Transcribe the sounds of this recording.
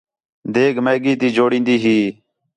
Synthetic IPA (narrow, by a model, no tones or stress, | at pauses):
d̪eːɡmeːɡiːt̪iːd͡ʒoːɽĩːnd̪iːɦiː